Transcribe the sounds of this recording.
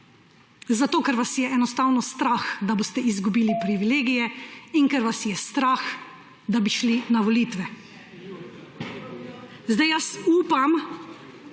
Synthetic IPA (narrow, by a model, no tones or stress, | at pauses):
zat̪oːkɛɾʋasjɛɛnɔst̪awnɔst̪ɾaːxd̪aboːst̪ɛizɡubiːlipɾiʋileːɡijɛiŋkɛɾʋasjɛst̪ɾaːx | d̪abiʃlinaʋɔliːt̪ʋɛ | zd̪ajasuːpam